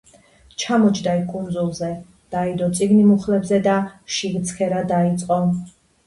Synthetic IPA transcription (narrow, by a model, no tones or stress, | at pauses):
t͡ʃʰamɔt͡ʃʰd̪aikʼund̪zulˠzɛ | d̪̥aid̪ɔt̪sʼiɡnimuχlɛbzɛd̪aʃiɣt̪sʰkʰɛɾad̪ait̪sʼqʼɔ